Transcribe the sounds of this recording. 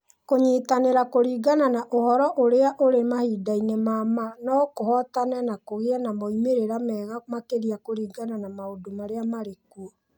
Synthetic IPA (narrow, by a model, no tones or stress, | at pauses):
koɲitaneɾakoɾiːɡananaʔohɔɾɔʔoɾeaʔoɾemahiːdainɛmamanɔkohɔtanɛnakoɣeanamɔimeɾeɾamɛːɣamakeɾiakoɾiːɡananamaodomaɾeamaɾekuɔ